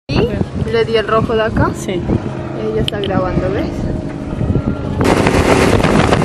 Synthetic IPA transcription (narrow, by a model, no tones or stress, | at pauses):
ileðielroxoðakai | eʝaest̪aɣɾaβand̪oðes